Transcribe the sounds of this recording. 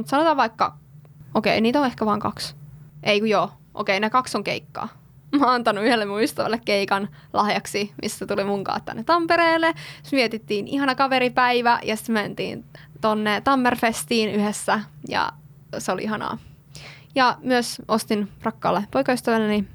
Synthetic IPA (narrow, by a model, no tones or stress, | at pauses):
mut̪sɑnot̪ɑːʋʋɑikːɑ | okḛiniːt̪õehkæʋɑːŋkɑksʔeikujoʔo̰keinekɑksoŋkeikːɑ̰ː | mɑɑnt̪ɑnːuyhelːemuyst̪æʋæ̰lːekkeikɑn | lʔɑhjɑksimʔḭsːæt̪ulimuŋkɑ̰ːt̪t̪ːæ̰nːet̪ɑmpeɾeːlːe̥ʋiet̪it̪ːiːnihɑnɑkɑʋeɾipæiʋæjɑsi̥t̪ment̪ḭːn | t̪onːet̪ɑmːerfest̪iːnyhesːæjɑ̰ | seolḭʔiɦɑnɑ̰ː | jɑmyøsʔost̪inrɑkːɑ̰ːlːepoikɑyst̪æʋælːeni